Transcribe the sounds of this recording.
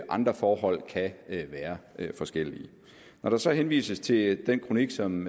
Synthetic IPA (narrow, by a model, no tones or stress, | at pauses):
ʔɑ̈nd̥ʁɐfɒːɦɒ̽l̰kʰæʋæːɐfɒ̽sɡ̥el̰i | nɒɾ̥ɑ̈sɒ̽henʋḭːsəst͡sʰe̝d̥enkʰʁo̝niɡ̥sɒ̽m